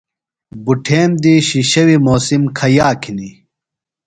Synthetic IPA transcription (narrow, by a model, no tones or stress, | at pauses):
buʈʰeːmd̪iɕiɕɐwimoːsimkʰɐjaːkʰini